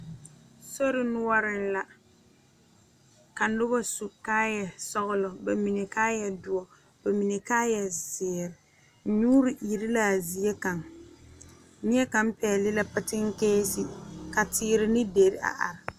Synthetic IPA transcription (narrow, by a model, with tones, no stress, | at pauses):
so˦ɾɪ˨nʊ˦wa˦ɾɪ˨n˦la˨ | ka˨n˦ʊ˦ba˦su˨kaː˦jɛ˨sɔ˦ɣʊ˦lɔ˨ba˨mi˨ne˨kaː˦jɛ˨dʊ˨ɔ˨ | b̥a˨mi˨ne˨ka˦jɛ˨sɪː˨ɾɪ˨ | ɲuː˦ɾɪ˨ʔi˨ɾɪ˦la˨zi˨e˦ka˨ŋ | nɪ˦ɛ˦ka˨˦m˦pɛ˨lɪ˦la˦pa˦tɪ˦ŋ˦keː˦sɪ˦ka˨tʰɪː˦ɾɪ˦nɪ˦de˨ɾɪ˦a̰˨ʔa̰˨ɾɪ˨